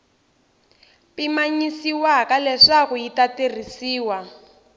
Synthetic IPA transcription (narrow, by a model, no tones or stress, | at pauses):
pimaɲisiwakalɛʂaɣuitaterisiːwa